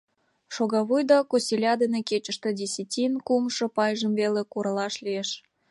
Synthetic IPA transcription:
ʃoɣɑβujd̪ɑkosʲilʲɑd̪eneket͡ɕə̆ʃt̪ĕdʲisʲitʲinkumʃɤpɑjʒəmvelekuɾəlɑʃlieʃ

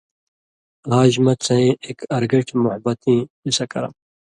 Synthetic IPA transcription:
laːʑmɐt͡sʰẽekɐɾɡɐʈʰmuhbɐt̪ĩːisɐkɐɾɐ̰m

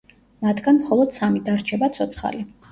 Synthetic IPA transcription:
mat̪ʰɡ̥anmχɔlˠɔd̪̥samid̪aɾt͡ʃʰɛbat̪sʰɔt̪sʰχa̰li

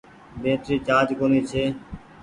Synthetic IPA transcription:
bẽːt̪ɾiːt͡ʃaːd͡ʒkoːneːt͡ʃʰeː

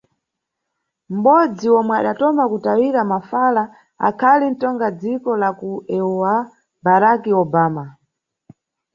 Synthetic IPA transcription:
m̩ɓɔd͡ziwɔmwɛaɗatɔmakutawiɾamafala | a̰kʰalin̩tɔŋɡad͡zikɔlakuɛɔa | baɾakiɔbaːma

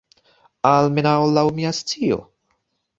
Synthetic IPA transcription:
almenaolawmiast͡sio̰

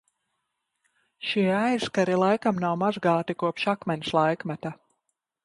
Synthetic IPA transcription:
ʃiɛajskaɾilˠajkamnawmazɡaːt̪ikuɔpʃakmɛnʲslˠajkmat̪a

